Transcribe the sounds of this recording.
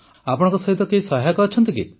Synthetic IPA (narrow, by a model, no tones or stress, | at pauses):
apɔɽɔ̃ŋkɔsɔɦit̪ɔkeisɔɦakɔːt͡ʃʰɔnt̪ikḭ